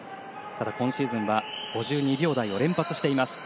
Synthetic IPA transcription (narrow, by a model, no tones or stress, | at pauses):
t̪ad̪akõ̞ɕiːzɨ̃ɰ̃βaɡ̥o̞ʑɨːɲ̟ibʲo̞ːd̪aio̞ɾẽ̞mpat͡sɨ̥ɕi̥t̪e̞imasɨ̥